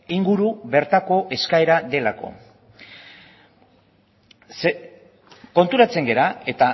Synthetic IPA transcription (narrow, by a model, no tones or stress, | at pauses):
iŋɡuɾuβe̞ɾt̪ako̞ʔe̞skae̞ɾaðe̞la̰ko̞̰ | s | ko̞nt̪uɾat͡se̞ŋɡe̞ɾae̞t̪a